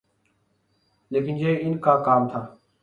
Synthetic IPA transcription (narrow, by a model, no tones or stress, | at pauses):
leːkɪnd͡ʒeeːɪnkʰaːkaːmt̪ʰaː